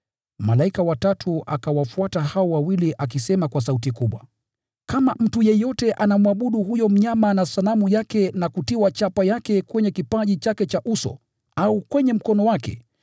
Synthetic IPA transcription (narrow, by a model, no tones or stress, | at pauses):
malaikawatatʰua̰kawafuatahaɔwawiliʔak̬isɛmakwas̬autikuɓwa̰ | kamam̩tujɛjɔtɛʔanamwaɓuɗuɦujɔm̩ɲamanasalamujakɛnakutiwat͡ʃapajakɛkwɛɲɛkipaʄit͡ʃakɛt͡ʃaʔusɔ̰ | aukwɛɲɛm̩kɔnɔwakɛ̰